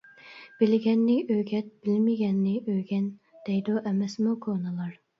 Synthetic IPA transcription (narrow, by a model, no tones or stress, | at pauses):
b̥ɪlɡʲɛnːɪʔøɡʲɛt̪̚b̥ɪlmɪɡʲɛnːɪʔøɡʲɛn | d̪̥ɛjd̪uʔɛmɛsmukʰonɨlˠɑɾ